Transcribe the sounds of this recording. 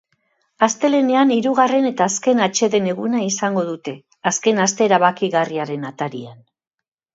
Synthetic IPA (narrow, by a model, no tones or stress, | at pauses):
ast̪e̞le̞ne̞aniɾuɣ̞are̞ne̞t̪aːske̞nat͡ʃe̞ðe̞ne̞ɣunaisaŋɡo̞ðut̪e̞ | aske̞nast̪e̞ːɾaβ̞akiɣariaɾe̞nat̪aɾian